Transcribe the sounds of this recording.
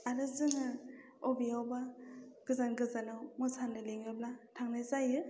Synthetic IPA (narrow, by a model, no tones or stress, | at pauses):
aɾɯzɯŋɯ | ɔbiawbaɡ̥ɯzanɡɯzanawmɯsanɯleŋɯblatʰaŋnajzajɯ